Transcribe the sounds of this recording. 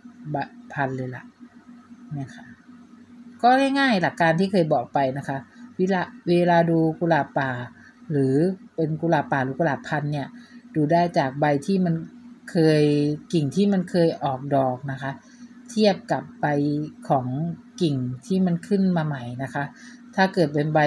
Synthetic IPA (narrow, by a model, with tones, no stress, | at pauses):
ba˧pʰa˧nlɤː˧jla̰˨˩ʔ | mi˥˩˨kʰa˦˥ | kɔː˥˩ŋɛ˥˩jŋaː˥˩jla˨˩kːaː˧nt̪ʰiː˥˩kʰɤː˧jbɔː˨˩k̚pa˧jna˦˥kʰa˦˥ʔweː˧laː˧weː˧laː˧duː˧kuː˧laː˨˩paː˨˩ | lɯː˩˦pe˧nkuː˧laː˨˩paː˨˩lɯː˩˦kuː˧laː˨˩pʰa˧nːi˥˩ɐduː˧daː˥˩jt͡ɕaː˨˩k̚ba˧jt̪ʰiː˥˩ma˧nkʰɤː˧jki˨˩ŋt̪ʰiː˥˩ma˧nkʰɤː˧jʔɔː˨˩k̚dɔː˨˩k̚na˦˥kʰa˦˥ʔ | t̪ʰi˥˩əp̚ka˨˩p̚ba˧jkʰɔː˩˦ŋki˨˩ŋt̪ʰiː˥˩ma˧nkʰɯ˥˩nmaː˧ma˦˩jna˦˥kʰa˦˥ʔt̪ʰaː˥˩kɤː˨˩t̪̚pe˧nba˧